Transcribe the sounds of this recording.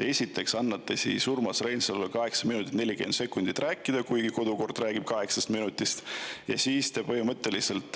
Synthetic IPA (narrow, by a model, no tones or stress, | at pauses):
e̞sʲit̪ːˑe̞ksɑnːɑt̪ˑːesḭsurmɑsrejnsɑlvojkɑɦe̞ksɑminut̪it̪ne̞lʲike̞nse̞kːˑund̪̥it̪ræːkːˑid̪̥ɑkujɡiko̞d̪̥uko̞rd̪̥ræːɡ̥ib̥̚kɑɦe̞ksɑst̪minut̪ːˑist̪jɑ̰siːst̪epɤɦimɤt̪ːˑe̞lise̞lt̪ˑ